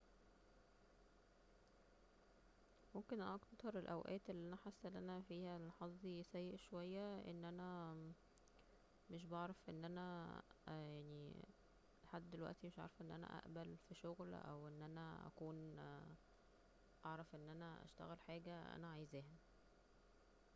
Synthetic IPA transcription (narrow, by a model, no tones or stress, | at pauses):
momkenʔɑkt̪ɑɾˤelʔæwʔæ̰ːt̪elːiːʔænæħasːʔenʔænæfiːhælħɑzˤːisæjːeʔʃowæjːæʔḛnːʔænæ | meʃ̬bɑʕɾˤɑfʔenːʔænæ | jaʕni | leħad̪ːd̪elwæ̰ʔt̪imeʃʔʕɑ̰ɾˤɑfʔenːʔænæ̰ʔæ̰ʔbælfiʃoɣlʔæ̰wʔenːʔænæʔæ̰kuːn | ʔɑʕɾˤɑfʔenːʔænæʔæ̰ʃt̪æ̰ɣælħaːɡæʔæ̰næʕajezæːhæ